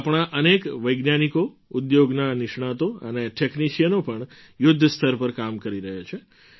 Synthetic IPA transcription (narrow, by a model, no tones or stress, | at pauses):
apɳ̃aʔənekʋəjɡnaniko | ud̪joɡnanɪʃɳ̃ãt̪oə̰neʈʰekniʃijənopəɳ | jʊd̪ʱːəst̪ʰəɾpəɾkamkəɾiɾəɦat͡ʃʰe